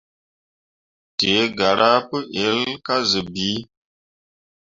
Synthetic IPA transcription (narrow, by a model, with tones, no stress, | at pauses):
te˨˦ɡa˨ɾa˦pə˦ʔe˨˦lka˦zɨ˨bi˨˦